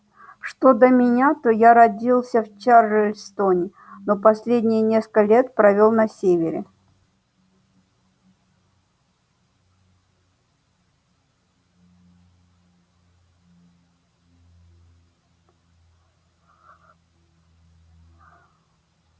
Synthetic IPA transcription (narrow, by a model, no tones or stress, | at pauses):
ʂt̪o̞d̪əmʲɪnʲat̪ojaɾɐdʲilˠsʲəft͡ɕarːɨlʲst̪onʲɪ | nopɐsʲlʲedʲnʲɪjnʲeskəlʲe̞t̪̚pɾɐvʲo̞lˠnɐsʲevʲɪɾʲɪ̰